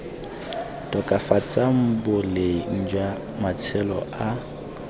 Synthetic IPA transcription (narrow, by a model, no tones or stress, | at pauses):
tʼɔkʼafat͡sʼam̩bʊlɪn̩d͡ʒwa | mat͡sʰɛlɔ̰ʔa